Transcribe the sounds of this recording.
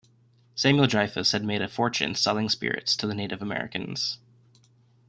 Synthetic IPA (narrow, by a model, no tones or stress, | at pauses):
sæ̃mjl̩ˠdɹaɪfɨshɨd̚meɪɾɨfɔɹt͡ʃɨ̰̃nsʌlˠɪ̃ŋspɪ̰ɹɨ̰tstʰɨðɨneɪɾʔɨvəmɛ̰ɹɨ̰kɨ̃nz̥